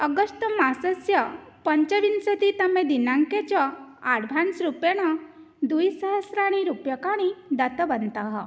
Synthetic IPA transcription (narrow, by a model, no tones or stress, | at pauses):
əɡəst̪masəsjəpəɲt͡ɕəʋinsət̪it̪əmẽd̪inãŋket͡ɕɔaɽbʱansɾupjeɽ̃ɔ | d̪ujsəɦəsɾaɽ̃iɾupjəkaɽ̃id̪at̪əbənt̪aɦə